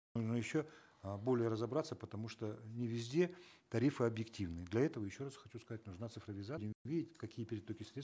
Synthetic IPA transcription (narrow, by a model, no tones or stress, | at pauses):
nuʐnəjɪɕːo | bo̞lʲɪjəɾəzɐbɾat̪sːəpət̪ɐmuʂt̪onʲɪvʲɪzʲdʲe̞t̪ɐɾʲifɨɐbjɪktʲivnɨjəd̪lʲɐɛt̪əvəjɪɕːo̞rasxɐt͡ɕuskɐzat̚ʲnʊʐnat̪sɨfrəvʲɪzadʲɪmvʲidʲɪtʲkɐkʲijəpʲɪɾʲɪd̪̚t̪okʲɪsɾʲes